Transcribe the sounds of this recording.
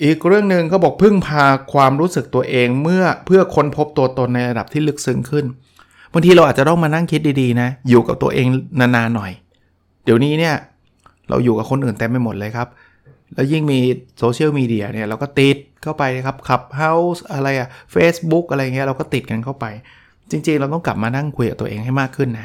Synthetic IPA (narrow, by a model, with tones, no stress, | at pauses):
ʔiː˨˩k̚ɾɯ˥˩əŋnɯ˨˧ŋkʰa˦˥wbɔː˨˩k̚pʰɯ˥˩ŋpʰaː˧kʰwaː˧mɾuː˦˥sɯ˨˩k̚t̪u˧ɐʔeː˧ŋmɯ˥˩ɐpʰɯ˥˩ɐkʰo˧npʰo˦˥p̚t̪u˧ɐt̪o˧nːa˧jɾa˧da˨˩p̚t̪ʰiː˥˩lɯ˦˥k̚sɯ˦˥ŋkʰɯ˥˩n | ba˧ŋt̪ʰiː˧ɾa˧waː˨˩t͡ɕa˨˩t̪ɔ˥˩ŋmaː˧na˥˩ŋkʰi˦˥t̪̚diː˧diː˧na˦˥juː˨˩ka˨˩p̚t̪ṵ˧ɐʔeː˧ŋnaː˧naː˧nːɔ˨˩j | d̥i˨˦əwniː˦˥ni˥˩ɐ | ɾa̰˧wjuː˨˩ka˨˩kʰo˧nʔɯː˨˩nt̪ɛ˧mːa˧˩jmo˨˩t̪̚lɤː˧jkʰa˦˥p̚ | lɛː˦˥wji˥˩ŋmiː˧soː˧t͡ɕʰi˥˩ə˩wmiː˧di˧ɐni˥˩ɐɾa˧wkɔː˥˩t̪i˨˩t̪̚kʰa˥˩wpa˧jna˦˥kʰa˦˥p̚kʰa˨˩p̚ɦa˦˥wsʔa˧ɾa˧jʔa˨˩feː˦˥sbu˦˥k̚ʔa˧ɾa˧ja˨ŋi˦˥ɐ˦ɾa˧wkɔ˥˩t̪i˨˩t̪̚ka˧nkʰa˥˩wpa˧j | t͡ɕi˧ŋt͡ɕi˧ŋɾa˧wt̪ɔ˥˩ŋkla˨˩p̚maː˧na˥˩ŋkʰu˧jka˨˩t̪u˧ʔeː˧ŋɦa˥˩jmaː˥˩kʰːɯ˥˩nːa˦˥